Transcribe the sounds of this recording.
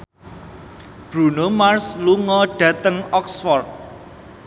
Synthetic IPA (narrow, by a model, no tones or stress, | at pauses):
b̥ɾṳnomarsluŋɔɖ̥ä̤t̪əŋɔksfɔrd̪̚